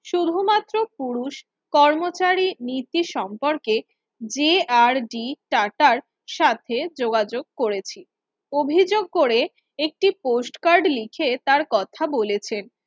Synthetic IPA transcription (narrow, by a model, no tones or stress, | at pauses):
ʃud̪ʱumat̪ːɾopuɾuʃ | kɔɾmot͡ɕaɾinit̪iʃɔmpoɾke | d͡ʑeaɾɖiʈaʈaɾ | ʃat̪ʰed͡ʑoɡad͡ʑoɡ̚koɾet͡ɕʰi | obʱid͡ʑoɡ̚koɾe | ek̚ʈiposʈkaɾɖlikʰet̪aɾkɔt̪ʰabolet͡ɕʰen